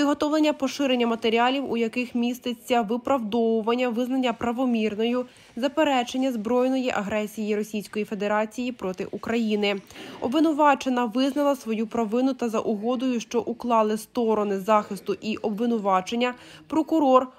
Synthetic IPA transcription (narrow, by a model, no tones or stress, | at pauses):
ɪd̪ɦɔt̪ɔʋlˠenʲːɐpɔʃɪɾe̞nʲːɐmɐt̪eɾʲialʲiwujɐkɪxmʲist̪et͡sʲːɐʋɪpɾɐwd̪ɔwʊʋɐnʲːɐʋɪznɐnʲːɐpɾɐʋɔmʲirnɔjʊ | zɐpeɾɛt͡ʃe̞nʲːɐzbɾɔjnɔjiʔɐɦɾɛsʲijiɾɔsʲijsʲkɔjife̞d̪e̞ɾɑt͡sʲijipɾɔt̪ɪ̰ʔukɾɐjinɪɔ̰bʋɪnʊʋɑt͡ʃenɐʋɪznɐlˠɐsʋɔjupɾɐʋɪnʊt̪ɐzɐ̰ʔʊɦɔd̪ɔjʊʃt͡ʃɔʔuklˠɑlˠɪst̪ɔɾɔnɪzɑxɪst̪ʊʔiʔɔbʋɪnʊʋɑt͡ʃe̞nʲːɐpɾɔkʊɾɔr